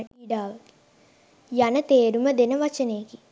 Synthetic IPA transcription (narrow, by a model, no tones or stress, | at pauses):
iːɖaːʋəki̥ | janət̪eːɾuməd̪enəʋat͡ʃəneːɡi